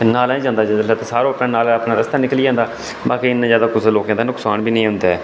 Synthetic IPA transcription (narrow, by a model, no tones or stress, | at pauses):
naːlɛ̃ːd͡ʒãːnd̪aːd͡ʒəd̪laːt̪ãːsaːɾõːpnãːnaːlapnãːɾəst̪aːnɪkliːãːnd̪aː | baːkiːɪnːãːzjaːd̪aːkʊsloːkãːd̪aːnʊksaːɳbiːnəĩːɦʊ̃nd̪aːɛː